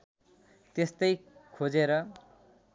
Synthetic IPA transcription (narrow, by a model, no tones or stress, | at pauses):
t̪est̪ʌjkʰod͡zeɾʌ